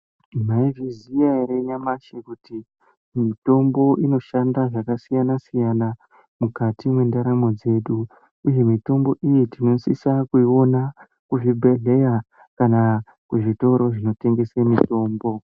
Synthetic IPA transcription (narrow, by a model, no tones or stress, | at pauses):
maivizijaiɾeiɲamaʃekuti | mito̞mbo̞ʔino̞ʃandaʐakasijanasijana | mukatimwe̞ndaɾamo̞d͡ze̞ɗu | uje̞mito̞mbo̞ʔijitino̞sisakuio̞na | kuʐibʱe̞ɮe̞ja | kana | kuʐito̞ɾo̞ʐino̞te̞ŋɡe̞semito̞ːmbo̞